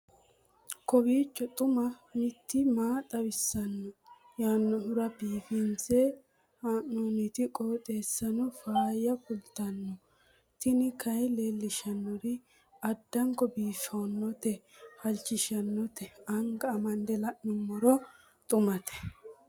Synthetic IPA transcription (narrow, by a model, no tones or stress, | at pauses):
kɔbiːt͡ʃːɔt̪ʼʊmɐmɪt̪ːɪmaːt̪ʼɐbɪsːɐnːɔ | jaːnːɔhʊɾɐbiːfɪnt͡sɛ | haːnːoːnɪt̪ɪkʼoːt̪ʼe̞ːsːɐnɔfaːjɐkʊlt̪ɐnːɔ | t̪ɪnɪkʰɐjlelːɪʃɐnːɔɾɪ | ɐd̪ːɐŋkɔbiːfɐwnːɔt̪ɛhɐlt͡ʃːɪʃɐnːɔt̪ɛɐŋɡɐːmɐnd̪ɛlɐʔnɪmːɔɾɔ | t̪ʼʊmɐt̪ʰɛ̥